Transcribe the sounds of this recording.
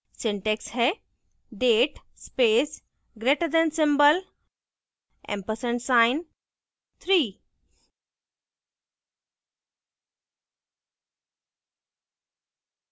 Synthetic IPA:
sɪ̃ɳʈeksɦɛ | ɖeːʈ | speːs | ɡɾeʈəd̪ɛ̃nsɪ̃mbəl | ɛ̰̃mpəsə̃ɳsaɪn | t̪ʰɾiː

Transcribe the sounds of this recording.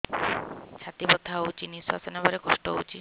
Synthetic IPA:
t͡ʃʰat̪ibɔt̪ʰaot͡ʃinisasɔnabɔɾekɔʃʈɔṵt͡ʃi

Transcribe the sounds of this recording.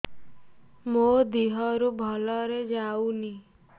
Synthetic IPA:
mod̪iɦɔɾubʱɔlɔɾed͡ʒauni

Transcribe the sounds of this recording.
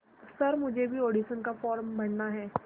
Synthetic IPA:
sɐɾmʊd͡ʒʱebʱioːɖiʃənkafɔːɾmbɐɳːaɦɛː

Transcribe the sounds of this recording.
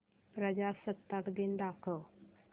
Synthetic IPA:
pɾəd͡ʑasət̪ːəkd̪ind̪akʰəʋ

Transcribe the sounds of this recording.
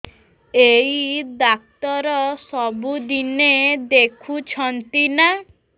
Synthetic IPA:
eid̪ak̚t̪ɔɾɔsɔbud̪ined̪ekʰut͡ʃʰɔnt̪ina

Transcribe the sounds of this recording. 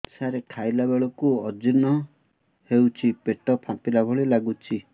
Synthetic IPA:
saɾekʰajlabeɭɔkuɔd͡ʒinɔ | hewt͡ʃʰipeʈɔpʰãpilabʱɔɭilaɡut͡ʃʰi

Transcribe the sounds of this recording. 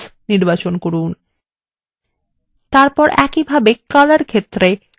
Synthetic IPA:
niɾbat͡ɕonkoɾun | t̪aɾpɔɾɛkibʱabekːalaɾkʰet̪ːɾe

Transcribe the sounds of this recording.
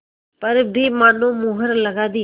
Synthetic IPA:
pəɾbʱiːmaːnõːmuːɦəɾləɡaːd̪iː

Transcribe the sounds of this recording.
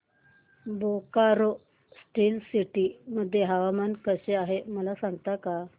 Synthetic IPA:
bokaɾo | sʈiːlsiʈiməd̪ʱːjeɦaʋamankəɕeaɦeməlasaŋɡt̪aka

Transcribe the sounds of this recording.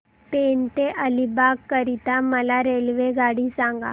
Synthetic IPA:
pent̪eʔəlibakːəɾit̪aməlaɾelʋeɡaɽisãŋɡa̰

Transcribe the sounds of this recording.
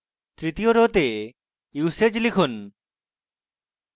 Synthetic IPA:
t̪ɾit̪ioɾot̪e | juset͡ɕlikʰun

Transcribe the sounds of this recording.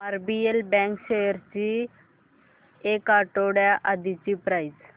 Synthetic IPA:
məɾbielbɛ̃ŋkɕejəɾt͡ɕi | ekaʈoɽjaʔad̪it͡ɕipɾaiz

